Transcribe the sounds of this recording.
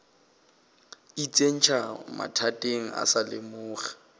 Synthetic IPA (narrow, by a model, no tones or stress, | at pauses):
it͡sʼen̩t͡ʃʰama̰tʰatʼeŋ̩a̰salɪmʊːχḁ